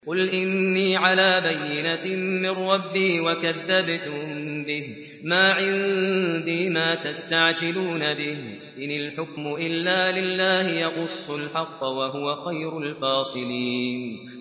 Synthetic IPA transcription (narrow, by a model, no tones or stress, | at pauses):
qʊlʔɪnːiːʕalaːbajːɪnamɪnːɑbːiːwakaðːabt̪mbɪh | maːʕɪnd̪iːmaːt̪ast̪aʕd͡ʒɪluːnabɪh | ʔɪnɪlħʊkmʊʔɪlːaːlɪlːaːhɪjɑɣʊsˤːʊlħɑqːwaɦʊwaxajɾʊlfɑːsˤɨliːn